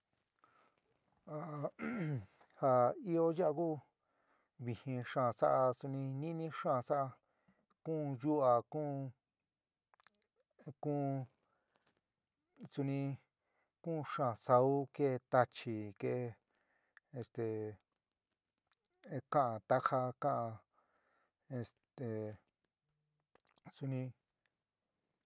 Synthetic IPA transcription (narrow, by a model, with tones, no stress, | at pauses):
a˨˧ | ha˧i˦o˦ja˦a˧kuː˦ | βĩ˧hĩ˧ʂãː˦˧˨sa˦ʔa˧su˧nĩ˧nĩ˦nĩ˦ʂãː˦˨sa˦ʔa˧ | kũː˦˧ju˦a˨kũː˦ | kũː˦ | su˧nĩ˧ | kũː˦˧ʂã˦˨sa˧u˦ke˦˧t̪a˧t͡ʃi˨ke˧ʔ | e˧st̪e˨˧ | kã˦˧ʔã˨t̪a˦xa˧kã˦ʔã˧ | e˧st̪e˨ | su˧nĩ˧